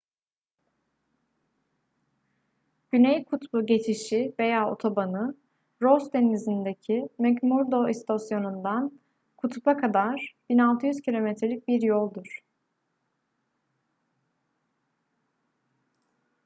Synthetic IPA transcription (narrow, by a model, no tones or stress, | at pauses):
ɟ̥ynejkʰut̪buɟe̞t͡ʃʰiʃive̞jaːo̞̰t̪ʰo̞banɯ | ɾosd̪enizind̪ecʰimɛɟmuɾd̪o̞ist̪ʰasjo̞nund̪an | kʰut̪ʰupakʰad̪aɾ̥b̥inalˠt̪ʰɯjyz̥cʰilʲo̞mɛt̪ɾelʲic̚biɾjolˠd̪uɾ̥